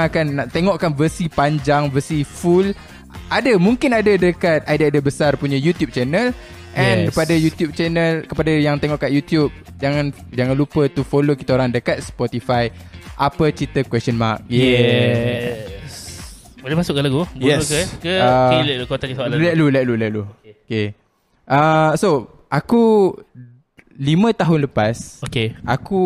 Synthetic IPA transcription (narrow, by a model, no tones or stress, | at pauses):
kanːaʔt̪eŋɔʔkanvəsipaɲd͡ʒaŋvəsiful | ʔadamuŋkɪnadadəkat̪̚adaadabəsarpuɲajut̪jup̚t͡ʃɛnəl | ʔɛ̃npadajut̪jub̚t͡ʃɛnəlkəpadajaŋt̪eŋɔʔkaʔ̪jut̪jub̚ | d͡ʒaŋãn | d͡ʒaŋãnlupət̪ufolokit̪aoɾaŋdəkat̪̚spɔt̪ifaj | ʔapət͡ʃɾit̪əkwɛst͡ʃɔnmak̚jɛ | s | bolemasʊʔkəlaɡubjɛkəkəalɛukot̪aksalɛt̪̚lulɛt̪̚lulɛʔ̚luoke | ʔəso | ʔaku | limə̃t̪aɦʊnləpasokeʔaku